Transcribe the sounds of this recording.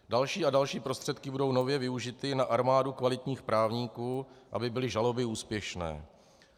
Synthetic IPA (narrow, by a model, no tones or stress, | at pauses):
dalʃiːadalʃiːpɾo̞st̪r̥ɛt̪kɪbudo̞wnovjɛvɪuʒɪt̪ɪnaʔaɾmaːdukvalɪt̪ɲiːxpɾʔaːvɲiːkuːʔa̰bɪbɪlɪʒalo̞bɪuːspjɛʃnɛ̰ː